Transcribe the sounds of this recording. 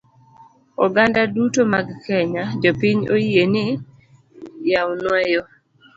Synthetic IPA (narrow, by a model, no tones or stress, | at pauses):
ɔɡandadutomaɡkɛɲad͡ʒopiɲoienɪ | jawnwajo